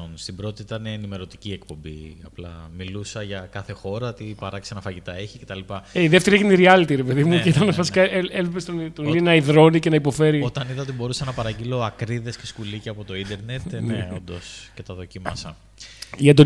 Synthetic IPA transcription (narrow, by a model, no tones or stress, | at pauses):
onst̪ibɾo̞t̪iit̪ɐneːnime̞ɾo̞t̪i̥cie̞kpo̞mbḭɐplɐ̰milusɐʝɐkɐθe̞xo̞ɾɐt̪ipɐɾɐksenɐfɐʝit̪ɐeçi̥cet̪ɐlipɐeiðeft̪e̞ɾieʝiniɾiɐlit̪iɾepe̞ðimuet̪ɐnfɐsikɐeelepest̪ont̪onlinɐiðɾo̞nice̞nɐipo̞fe̞ɾiot̪ɐniðɐot̪ebo̞ɾusɐnɐpɐɾɐɟilo̞ɐkɾiðe̞sceskuliceɐpot̪o̞ind̪e̞ɾnet̪neond̪o̞scet̪ɐðo̞cimɐsɐ̰ | iɐt̪o